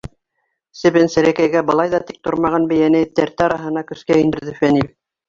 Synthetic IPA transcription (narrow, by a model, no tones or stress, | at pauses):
sɘ̆βɘnsɘ̆ɾækæjɡæbɤ̆lˠɑjðɑt̪ik̚t̪ŏɾmɑʁɑnbɘ̆jænɘt̪æɾt̪ɑɾɑɦɤ̆nɑkɵ̆skæind̪ɘ̆ɾðɘfænil